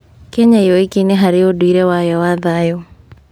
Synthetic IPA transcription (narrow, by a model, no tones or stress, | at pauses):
kɛɲaiɔikeneɦaɾeodwiɾɛwajɔwaðajɔ